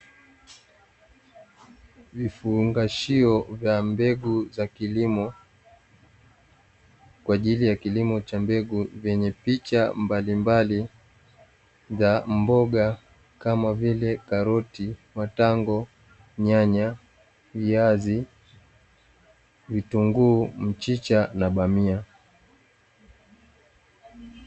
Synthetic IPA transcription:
vifuŋɡaʃiɔvjambɛɡuzakilimɔ | kwaʄilijakilimɔt͡ʃambɛɡuvjɛɲɛpit͡ʃambalimbali | zambɔɠa | kamavilɛkaɾɔtimataŋɡɔ | ɲaɲa | viazi | vituŋɡum̩t͡ʃit͡ʃanaɓamia

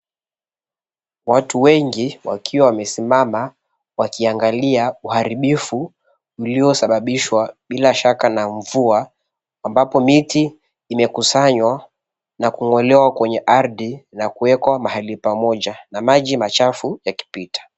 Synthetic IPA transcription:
watuwɛŋɡiwa̰kʰiwawamɛsimama | wakiaŋɡaliauhaɾiɓifuː | lijɔsaɓaɓiʃwaɓilaʃakanaɱvuaː | mbapɔmitiː | mɛkusaɲwa | nakuŋɔlɛwakwɛɲɛʔaɾðinakuwɛkwamahalipamɔʄanamaʄimat͡ʃafujaki̥pitḁ

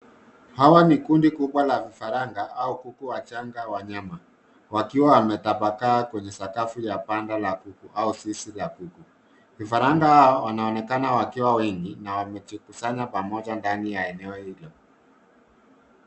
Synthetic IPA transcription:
hawanikundikuɓwalavifaɾaŋɡaʔaukukuwat͡ʃaŋɡawaɲama | wakiwawamɛtapakaːkwɛɲɛsakafujapandalakukuʔausisilakuku | vifaɾaŋɡahaɔwanaɔnɛkanawakiwawɛŋɡinawamɛt͡ʃikusaɲapamɔʄandanijaɛnɛɔhilɔ

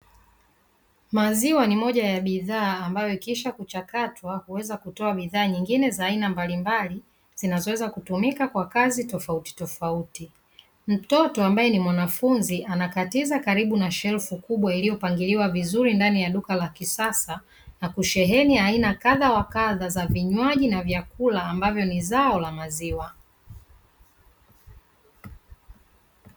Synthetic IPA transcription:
maziwanimɔʄajaɓiðaːmbajɔikiʃakut͡ʃakatʰwahuwɛzakutɔaɓiðaːɲiŋɡinɛzaːinambalimbali | z̥inazɔwɛzakutumikakwakazitɔfauti̥tɔfauti | m̩tɔtɔambajɛnimwanafunziʔanakatizakaɾiɓunaʃɛlfukuɓwailijɔpaŋɡiliwavizuɾindanijaɗukalakisasa | nakuʃɛɦɛnijainakaðawakaðazaviɲwaʄinavjakulaːmbavjɔnizaɔlamaziwa

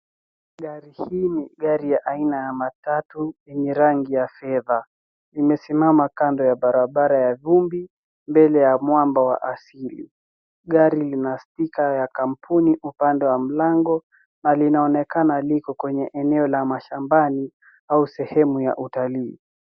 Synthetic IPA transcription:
ɠaɾihiːniɠaɾijaʔainajamatatujɛɲɛɾaŋɡijafɛða | imɛsimamakandɔjaɓaɾaɓaɾajavumbi | mbɛlɛjamwambawa̰ʔasilḭ | ɠaɾilinastikajakam̩pʰuniʔupandɛwam̩laŋɡɔ | nalinaɔnɛkanalikɔkwɛɲɛʔɛnɛɔlamaʃambani | ausɛhɛmuja̰ʔutaliː

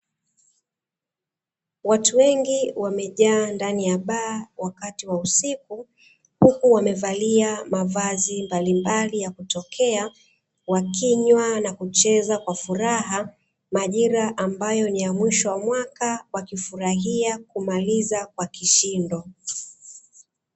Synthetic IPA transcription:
watuwɛŋɡiwamɛʄaːndanijaɓaːwakatiwausiku | hukuwamɛvaliamavazimbalimbalijakutɔkʰɛa | wakiɲwanakut͡ʃɛzakwafuɾaɦa | maʄiɾaʔambajɔnijamwiʃɔwamwakawakifuɾaɦiakumalizakwakiʃindɔ

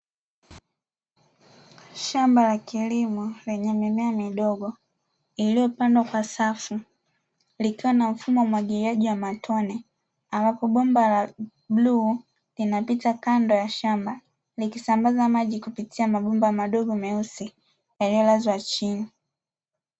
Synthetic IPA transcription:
ʃambalakilimɔlɛɲɛmɛmɛamiɗɔɡɔ | ilijɔpandwakwasafu | likiwanam̩fumɔwamwaɡiɾiaʄiwamatʰɔnɛ | ambapɔɓɔmbala | ɓlu | linapitakandɔjaʃamba | likisambazamaʄikupitʰiamaɓɔmbamaɗɔɠɔmɛusi | jalijɔlazwat͡ʃini

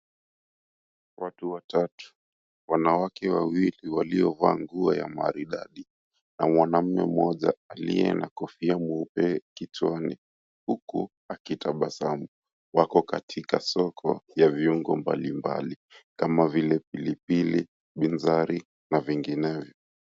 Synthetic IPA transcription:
wʔatuwatatu̥ | wanawakɛwawiliwalijɔvaːŋɡuaja̰ma̰ɾiɗa̰ɗi | namwanam̩mɛ̰m̩ɔʄaːlḭɛnakɔfiamuupɛkit͡ʃwanḭ | huku | akitaɓasamu | wakɔkatʰikasɔkʰɔ̰javiuŋɡɔmba̰limba̰li | kamavilɛpilipili | ɓinzaɾi | naviŋɡinɛvjɔ

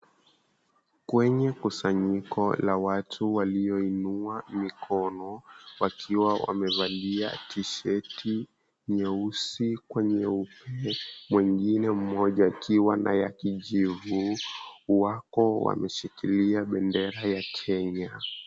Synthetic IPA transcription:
kwɛɲɛkusaɲikɔlawatʰuwaliɔinuamikʰɔnɔwakʰiwawa̰mɛvaɗia̰tʰiʃɛti | ɲɛusikwɛɲɛupʰɛmwiŋɡinɛm̩mɔʄaːkʰiwana̰jakiʄivu | wakɔwa̰mɛʃikiliaɓɛndɛɾajakʰɛɲa

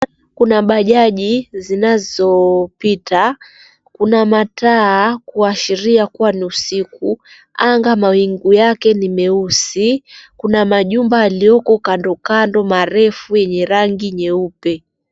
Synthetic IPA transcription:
kunaɓaʄaʄizinazɔpita | kunamataːkuaʃiɾiakuwaniusiku | aŋɡamawiŋɡujakɛnimɛusikunamaʄumbaːlijɔkɔkandɔkandɔmaɾɛfujɛɲɛɾaŋɡiɲɛupɛ

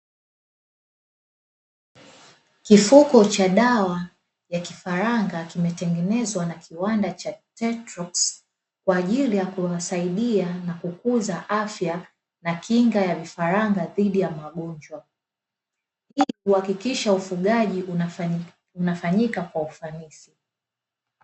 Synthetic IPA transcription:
kifukɔt͡ʃaɗawa | jaki̥faɾaŋɡakimɛtɛŋɡɛnɛzwanakʰiwandat͡ʃatɛtɾɔks | kwaːʄilijakuwasaiɗianakukuzaʔafja | nakʰiŋɡajavifaɾaŋɡaðiɗijamaɠɔɲd͡ʒwa | hihuhakikiʃaufuɠaʄi | unafaɲikakwaufanisi

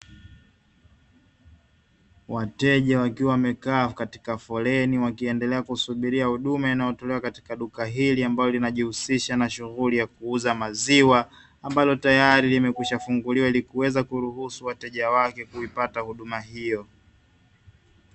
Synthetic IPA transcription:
watɛʄawakiwawamɛkafkati̥kafɔlɛniwakiɛndɛlɛakusuɓiɾiahuɗumainajɔtɔlɛwakati̥kaɗukaɦiliambalɔlinaʄihusiʃanaʃuɣulijakuuzamaziwaː | mbalɔtajaɾilimɛkuʃafuŋɡuliwailikuwɛzakuɾuhusuwatɛʄawakɛkuipatahuɗumaɦijɔ

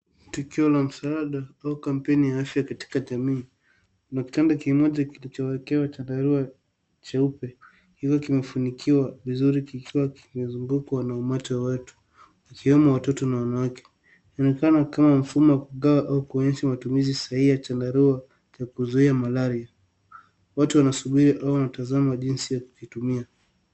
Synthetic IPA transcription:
tukiɔlam̩saaɗaaukam̩pɛnijaafjakati̥kaʄamiː | naki̥tandakimɔʄakilit͡ʃɔwɛkɛwat͡ʃadaɾua | t͡ʃaupɛ | hivɔkimɛfanikʰiwavizuɾikikiwaki̥mɛzuŋɡukwanaumat͡ʃɔwawatu̥ | wakiwɛmawatɔtɔnawanawakɛ̥ | niɔnɛkanakamam̩fumɔwakuɠawaʔaukuɔɲɛʃamatumizisaiat͡ʃandaɾua | t͡ʃakuzuiamalaɾia | watuwanasuɓiɾiʔaɔwanatazamaʄinsijaku̥kitumia

